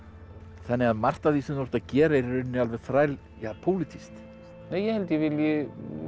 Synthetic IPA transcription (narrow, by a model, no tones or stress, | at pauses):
θanːɪɣaðmar̥t̪aðisʏnoɾ̥t̪aðcɛːɾaɪɾɾʏnːɪalvɛɣ̥θɾaːjl | jaːpʰoːwlɪt̪ʰist̪ | neːjɛhɛlt̪jɛvɪljɪ